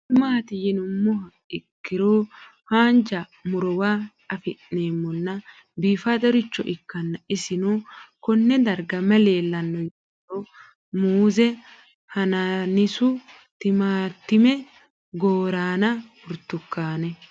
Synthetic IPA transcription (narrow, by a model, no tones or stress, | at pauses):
t̪ɪmaːt̪ɪjɪnʊmːɔhɐ | ɪkːɪɾoː | haːnd͡ʒɐ | mʊɾɔwaː | ɐfɪʔneːmːɔnːɐ | biːfat̪ɐɾɪt͡ʃːɔʔɪkːɐnːɐɪsɪnukɔnːɛd̪ɐɾɡɐmɐle̞ːlːɐnːɔj | o | muːzɛ | hɐnɐnɪsʊ | t̪ɪmaːt̪ːɪmɛ | ɡoːɾaːnɐhʊɾt̪ːʊkːaːnɛ